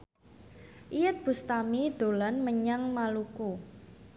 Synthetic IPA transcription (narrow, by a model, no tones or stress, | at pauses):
ʔijət̪̚b̥ṳst̪amid̪̥o̤lanməɲaŋmaluku